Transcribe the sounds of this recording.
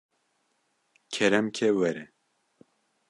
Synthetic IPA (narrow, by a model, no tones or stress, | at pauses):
kʰɛɾɛmkʰewɛɾɛ